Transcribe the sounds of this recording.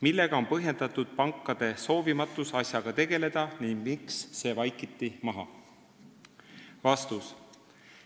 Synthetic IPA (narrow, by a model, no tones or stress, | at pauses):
milːe̞ɡ̥ɑo̞mpɤɦje̞nd̪̥ɑt̪ud̪̥̚pɑŋkˑːɑd̪̥e̞so̞ːvimɑt̪ːˑusɑsʲjɑɡ̥ɑt̪e̞ɡ̥e̞le̞d̪̥ɑniŋɡmiksːe̞ːvɑjkˑit̪ːˑimɑɦɑ̰ | vɑst̪us